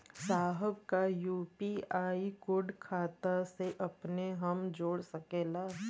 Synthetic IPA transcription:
saːɦəb̚kajuːpiaːikʊɖkʰaːt̪aseʔɐpneɦɐmd͡ʒoːɽsɐkeːlaː

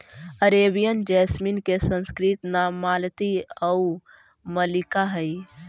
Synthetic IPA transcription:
əɾebijənd͡ʒɛsminkesə̃nskɾit̪namːalt̪iəu | məlikaɦəj

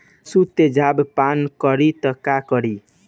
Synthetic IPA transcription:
sut̪ed͡ʒabpankʌɾit̪ʌkakʌɾi

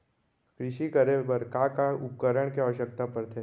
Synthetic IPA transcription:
kɾɪʃikɐɾebɐɾkakaʊpkəɾəɽ̃keaʋəʃək̚t̪apɐɾt̪ʰe

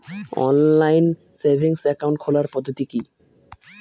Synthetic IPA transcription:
ɔ̰nlajn | seɾbʱiŋsɛkawɳʈ̚kʰolaɾpɔd̪ʱːot̪iki

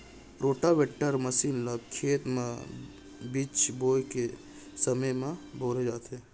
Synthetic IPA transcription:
ɾoːʈaʋeʈːəɾməsiːnləɡkʰeːt̪mã | bit͡ʃboːjke | səməjmãbʱoːɾed͡ʒaːt̪ɦe

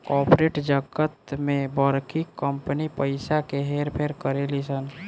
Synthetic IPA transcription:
kɔːpɾeʈd͡ʒəɡət̪mẽbəɾkʰikəmpənipəɪsakeɦeːɾpʰeɾkəɾelisən

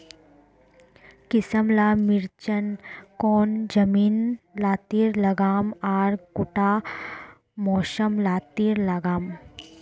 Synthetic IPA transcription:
kɪsəmlaːmɪɾt͡ʃənkɔːnd͡ʒɐmiːnlaːt̪iːɾlɐɡaːmaːɾkʊʈaː | mɔːʃəmlaːt̪iːɾlɐɡaːm

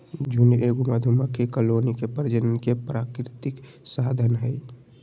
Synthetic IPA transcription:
d͡ʒʱuneɡumad̪ʱuməkʰekəlonikepəɾd͡ʒənkepɾakɾɪt̪ik | sad̪ʱənɦəj

